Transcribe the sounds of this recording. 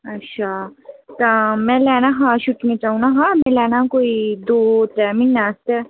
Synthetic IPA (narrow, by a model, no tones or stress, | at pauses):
ɐtːʃʰaːt̪amɛ̃ːlɛːnaɦãʃʊʈmẽt͡ʃaːɦũnaɦãmɛ̃lɛːnakoːid̪oːtɛːmɪnnaːst̪ɛː